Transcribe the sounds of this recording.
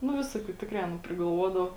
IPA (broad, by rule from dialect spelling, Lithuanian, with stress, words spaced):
nʊ ˈʋʲɪsoːˌkʲuː ˈtʲɪkrɐɪ ɐˈnɐ pʲrʲɪɡɐlˠˈʋuɔdɐʋɐ